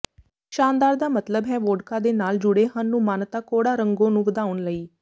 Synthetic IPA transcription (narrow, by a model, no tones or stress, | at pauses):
ʃaːnd̪aːɾd̪aːmət̪ləbɦɛːʋoːɖkaːd̪eːnaːld͡ʒʊɽeːɦənːũːmaːnt̪aːkoːɽaːɾəŋɡõːnũːʋəd̪aːʊnləiː